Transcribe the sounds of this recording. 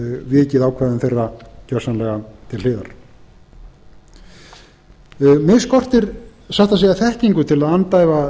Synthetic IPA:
vɪːcɪðaːwkʰvɛɾðʏmθejrːacœr̥sanlɛɣat̪ʰɪlɪːðaɾ̥ | mɪskɔr̥t̪ɪɾ | saht̪asiːjɣaθɛhciŋkʏt̪ʰɪlaðant̪aːjva

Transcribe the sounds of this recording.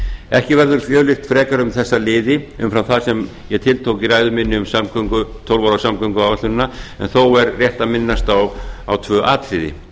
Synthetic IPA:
ɛhcɪvɛɾðʏɾfjœːlɪxt̪fɾɛːkaɾʏmθɛsːalɪːðɪʏ̰mfɾawθasɛm | jɛɣt̪ʰɪlt̪ʰowkiraːjðʏmɪnːɪʏmsamkœŋkʏt̪ʰowlvaɾawsamkœŋkʏaːvat̪ʏnnːaɛ̰nθowɛɾrjɛht̪amɪnːast̪awawt̪ʰvœːʔaːt̪ɾɪðɪ̰

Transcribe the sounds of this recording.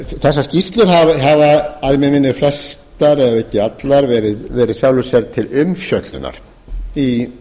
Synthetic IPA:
θɛsːascist̪lʏɾɦavɦavaaðmɛmɪnːʏflɛst̪aɾɛðaehcːɪat̪laɾvɛːɾɪðvɛːɾɪðsjaːwlʏsɛɾt̪ʰɪlʏmfjœt̪lʏ̰nːa̰ɾ̥ | i

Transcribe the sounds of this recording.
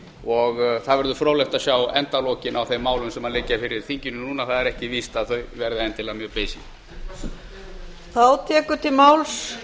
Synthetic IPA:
ɔɣθaðvɛɾðʏfɾoːwlɛwt̪aðsjaːwɛnt̪alɔcɪnawθejmːaːwlʏmsɛmaðlɪcːafɪɾɪɾ̥θiɲcɪnʏnuːnaθaðɛɾɛhcɪviːst̪aðθœɥvɛɾðɪɛnt̪ɪlaɣmjœːpeːjsi | θawt̪ʰɛːkʏ̥t̪ʰɪlmaːwls

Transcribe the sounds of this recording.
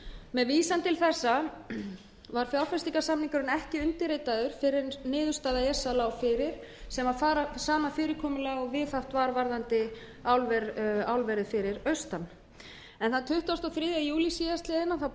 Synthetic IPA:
mɛðviːsant̪ɪlθɛsːa | vaɾ̥fjawɾfɛst̪ikasamniŋkʏɾʏnɛhcɪʏnt̪ɪɾeːjt̪aðʏɾ̥fɪɾɪɾnɪːðʏ̥st̪aːðaɛsːalaːwfɪɾɪɾ̥ | sɛmaðfaːɾasaːmafɪːɾɪɾkʰɔːmʏlaːɣɔɣvɪðθawht̪vaɾvaɾðant̪ɪ | awlvɛɾawlvɛɾɪðfɪɾɪɾœɥst̪an | ɛnθaðt̪ʰʏht̪ast̪ɔwθɾɪːðjajuːlisiðast̪lɪðɪnːaθaw

